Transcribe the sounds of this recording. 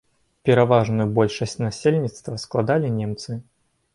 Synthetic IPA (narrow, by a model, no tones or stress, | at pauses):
pʲɛɾavaʐnujubɔlʲʂɐsʲt͡sʲnasʲelʲnʲit̪st̪vɐsklˠad̪alʲinʲɛmt̪sɨ